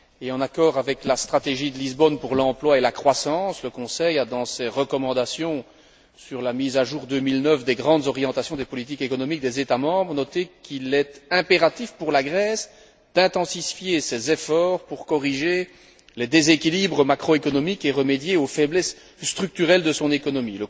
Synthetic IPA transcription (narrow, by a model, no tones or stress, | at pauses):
eɑ̃nakɔːʁavɛklast̪χat̪eʒid̪əlizbɔnpuʁlɑ̃plwaelakχwasɑ̃sləkɔ̃sɛjad̪ɑ̃sɛʁəkɔmɑ̃d̪asjɔ̃ | syʁlamizaʒuːʁd̪ømilnəfd̪eɡʁɑ̃d̪zɔʁjɑ̃t̪asjɔ̃d̪ɛpɔlit̪̬ikekɔnɔmik̚d̪ezet̪amɑ̃ːbʁənɔt̪ekʰilɛt̪ɛ̃peʁat̪ifpuʁlaɡʁɛs | d̪̥ɛ̃t̪ɑ̃sifjesɛzefɔːʁpuʁkɔʁiʒe | led̪ezekʲilibʁəmakχɔekɔnɔmikeʁəmed̪jeofɛblɛsː | t̪χyk̚t̪yʁɛld̪əsɔ̃nekɔnɔmilə